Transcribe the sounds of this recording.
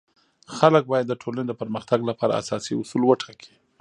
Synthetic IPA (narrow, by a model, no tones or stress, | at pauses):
xalək̚bɑjad̪ːəʈʰolaned̪əpəɾməxt̪aɡlapɑɾa̰a̰sɑsiʊsulwəʈakʰi̥